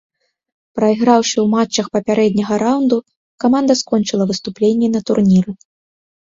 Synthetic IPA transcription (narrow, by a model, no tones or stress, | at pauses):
pɾɐiɣɾawʂɨwmat͡ʂːɐxpɐpʲaɾɛd̪ʲnʲɐɣɐɾawnd̪u | kamand̪ɐskɔnʲt͡ʂɨlˠɐvɨst̪uplʲenʲːɛnɐt̪urnʲiɾɨ